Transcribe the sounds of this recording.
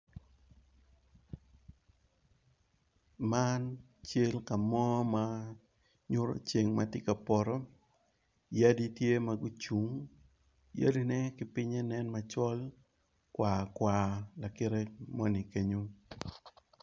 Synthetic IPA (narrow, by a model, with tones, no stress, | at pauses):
ma˦n | t͡ʃe˦lka˨mɔ˦ma˦ | ɲʊ˦ɾo̰˨t͡ʃe˨ŋma˦tɪ˦ka˨pɔ˨ɾɔ˦ | ja˦di˦tje˦ma˨ɡu˦t͡ʃu˨ŋ | ja̰˦li˦nɛ˦kɪ˨pɪ˦ɲɛ˦nɛ˦nma˨t͡ʃɔ˦l | kwa˨kwa˨la˨ke˦ɾe˦mɔ˦ni˨ke˦ɲo˦